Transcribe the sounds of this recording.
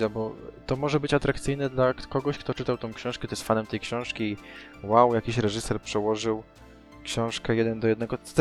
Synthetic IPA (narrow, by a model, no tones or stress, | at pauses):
abɔt̪ɔmɔʐɛbɘt͡ɕat̪ɾakt̪sɘjnɛd̪lakɔɡɔɕkt̪ɔt͡ʂɘt̪awt̪ɔ̃w̃kɕɔ̃ʂkɛt̪ɔjɛst̪fanɛmt̪ɛjkɕɔ̃w̃ʂkʲiː | wawjakʲiɕɾɛʐɘsɛɾpʂɛwɔʐɘw | kɕɔ̃w̃ʂkɛjɛd̪ɛnd̪ɔjɛd̪nɛɡɔt̪